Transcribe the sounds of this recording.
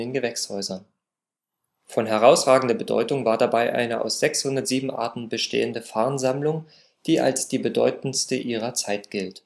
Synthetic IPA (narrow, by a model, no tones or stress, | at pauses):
ɪnɡəvɛkshɔʏzɐn | fɔnɦɛʁ̞aʊsʁaːɡŋ̩dɐbədɔ̰ʏtʊŋvaːɐdabaɪʔa̰ɪnəʔa̰ʊsz̥ɛkshʊndɐtz̥iːbm̩ʔa̰ɐtn̩bəʃtʰḛːəndəfaɐnzamlʊŋ | d̥iːʔa̰lsd̥iːbədɔʏtn̩stəʔiːʁ̞ɐt͡saɪtɡ̥ɪlt